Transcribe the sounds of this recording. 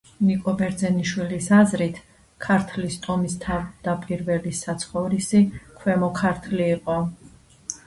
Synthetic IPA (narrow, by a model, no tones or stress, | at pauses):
nikʼɔbɛɾd̪zɛniʃwilisazɾit̪ʰ | kʰaɾt̪ʰlist̪ʼɔmist̪ʰavd̪̥apʼiɾvɛlisat̪sʰχɔvɾisikʰwɛmɔkʰaɾt̪ʰliːqʼɔ